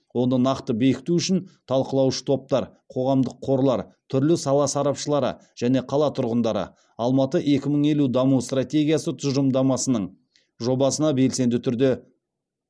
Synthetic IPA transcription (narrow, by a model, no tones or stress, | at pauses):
wo̞nənɑqt̪əbe̞kʲɪ̥t̪uʏʃɪnt̪ʰɑlˠqəlˠɑwʃə̥t̪ʰo̞p̚t̪ɑɾqʰo̞ʁɑmd̪əqʰːo̞ɾlˠɑɾt̪ʰʏɾlɪsɑlˠɑsɑɾɑpʃəlˠɑɾə̰ | ʒ̥æne̞qʰɑlˠɑt̪ʰʊɾʁənd̪ɑɾə̰ | ɑlˠmɑt̪əʔe̞kʲɪməɴe̞lud̪ɑmust̪rat̪ʲe̞ɡʲijasət̪ʰʊzʒəmd̪ɑmɑsənəɴ | ʒo̞bɑsənɑbe̞lse̞nd̪ɪt̪ʰʏɾd̪e